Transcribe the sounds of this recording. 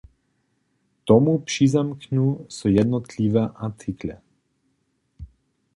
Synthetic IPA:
t̪ɔmupʃizamkɲusujɛd̪nɔt̪liʋɛʔat͡siklɛ

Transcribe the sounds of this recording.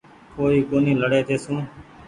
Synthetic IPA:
koːɾiːkoːnĩːləɽeːt̪ʰeːsũː

